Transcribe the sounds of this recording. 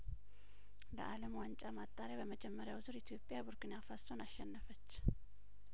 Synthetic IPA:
lə̰ʔaləmwant͡ʃʼamat̪ʼːaɾjabəməd͡ʒɛmːəɾjawzɨɾit̪ʰjo̞pʼjabuɾkinafaso̞naʃːɛnːəfət͡ʃː

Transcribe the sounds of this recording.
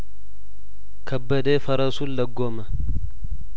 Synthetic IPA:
kʰɐbːɐd̪eːfɐɾɐsʊllɐɡːoːmɐ

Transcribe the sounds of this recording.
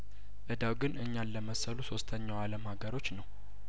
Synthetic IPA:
ʔɨd̪awɡɨnʔɨɲːalːəməsəluso̞st̪ʰəɲːawaləmhaɡəɾo̞t͡ʃːnəw

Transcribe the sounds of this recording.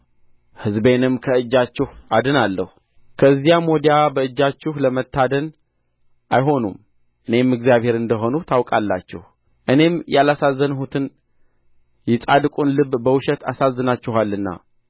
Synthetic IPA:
hɨzbe̞nɨmkʰəɨd͡ʒːat͡ʃːɪhad̪ɨnalːəhu | kʰəzːijamod̪ijabəɨd͡ʒːat͡ʃːɪhləmət̪ʰːad̪ən | ʔajɦo̞nṵm | ʔɨne̞mɨɡzijaβhe̞ɾɨnd̪əɦo̞nut̪ʰawkʼalːa̰t͡ʃːɛ̰h | ʔɨne̞mjalasazːənɦut̪ʰɨn | jɪt͡sʼad̪ɨkʼunlɨbbəwʃɛt̪ʰa̰sazːɨnat͡ʃːɪɦalːɨnːa̰

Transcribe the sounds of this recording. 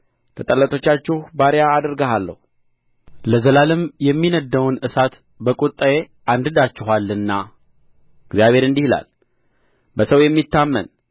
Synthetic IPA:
lʰət̪ʼəlːət̪ʰo̞t͡ʃːat͡ʃːɪhbaɾjaːd̪əɾɡəɦalːə̰h | ləzəlalɨmjɛmːinəd̪ːəwnɨsat̪ | bəkʼut̪ʼːəje | ʔand̪ɨd̪at͡ʃːɪɦalːɨnːa | ɨɡzjaβʱe̞ɾɨnd̪ihila̰l | bəsəwjɛmːit̪ːamːə̰n

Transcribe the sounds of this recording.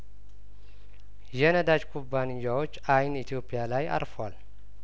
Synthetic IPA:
jɛnəd̪ad͡ʒkʰubːanɪjːawot͡ʃːajnit̪ʰijo̞pʰːijalaja̰ɾfəwal

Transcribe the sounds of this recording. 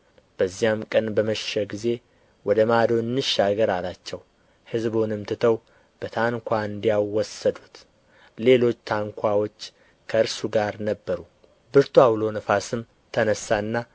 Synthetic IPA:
b̥əzːijamkʼənbəməʃɪʃəɡize̞ | wɔd̪əmad̪o̞ɨnːɨʃːaɡəɾalat͡ʃːɛw | hɨzbonɨmt̪ʰɨt̪ʰəw | b̥ət̪ʰaŋkʷʰaɨnd̪ijawwːɔsəd̪ut̪ | le̞lo̞t͡ʃːt̪ʰaŋkʷʰawo̞t͡ʃː | kʰəɨɾsuɡaɾnəbːəɾu | bɨɾt̪ʰuawlo̞nəfasɨm | t̪ʰənəsːaɨnːa

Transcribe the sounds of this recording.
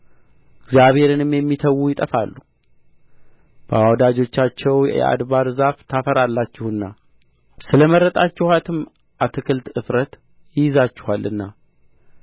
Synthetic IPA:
ɪɡzjaβhe̞ɾɨnɨmjɛmːit̪ʰəwːujɪt̪ʼəfa̰lːu | b̥əawd̪ad͡ʒo̞t͡ʃːat͡ʃːɛwjɛ̰ʔa̰d̪βad̪ɨzaft̪ʰafəɾalːat͡ʃːɪhɨnːa | sɨləməɾːət̪ʼat͡ʃːɪhat̪ʰɨm | ʔat̪ʰɨkʰɨlt̪ɨfɾət̪ | jɪjɪzat͡ʃːɪ̥halʔɨnːa

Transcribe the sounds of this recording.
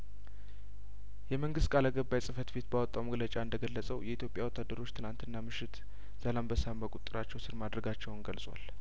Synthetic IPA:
jɛməŋɡɨst̪̚kʼalaɡəbːajsʼɨfət̪be̞t̪bawɔt̪ʼːawməɡlət͡ʃʼaɨnd̪əɡəlːəsʼəwjɛit̪ʰjo̞pʼjawɔt̪ːad̪ːəɾo̞t͡ʃːt̪ʰɨlant̪ɨnːamɨʃːɪt̪ | z̥alambəsamːəkʼut̪ʼːɨɾat͡ʃːɛwsɨɾmad̪ɾəɡat͡ʃːɛwnɡəlsʼwa̰l

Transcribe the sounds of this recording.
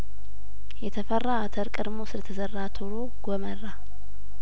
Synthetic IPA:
jɛt̪ʰəfərːaat̪ʰəɾkʼɨɾmosɨlət̪ʰəzərːat̪ʰoɾo̞ɡomərːa

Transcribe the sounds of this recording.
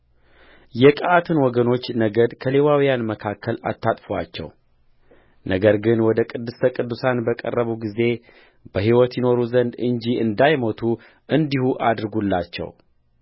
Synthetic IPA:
jɛkʼəʔat̪ʰɨnwɔɡəno̞t͡ʃːnəɡəd̪kʰəle̞wawijanməkʰakʰːəla̰t̪ːat̪ʼfowa̰t͡ʃːɛ̰w | nʔəɡəɾɡɨnwɔd̪əkʼɨd̪ːɨst̪ʰəkʼɨd̪ːusanbəkʼə̰rːəβuɡize̞ | bəɦiwɔt̪jɪno̞ɾuzənd̪ɨɲd͡ʒiɨnd̪ajmo̞t̪ʰu | ɨnd̪ihuʔad̪ɾɡulːa̰t͡ʃːɛ̰w

